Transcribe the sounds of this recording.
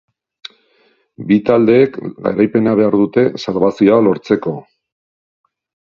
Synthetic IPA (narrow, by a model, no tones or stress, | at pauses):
bit̪ald̪e̞ːkɡa̰ɾajpe̞naβe̞aɾðut̪e̞salβasioalo̞ɾt͡se̞ko̞